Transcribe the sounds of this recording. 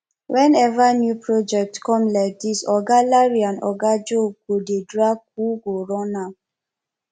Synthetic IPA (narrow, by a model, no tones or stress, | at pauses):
wʔɛ̃nɛvanjupɹɔd͡ʒɛk̚tkɔ̃mlaɪk̚disɔɡalaɹiãnɔ̰ɡad͡ʒoɡodedɹak̚uɡoɹɔ̃na